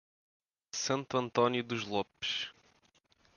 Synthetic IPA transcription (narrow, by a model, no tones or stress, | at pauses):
sɐ̃nt̪uɐ̃nt̪ɔnjuðuʒlˠɔpʃ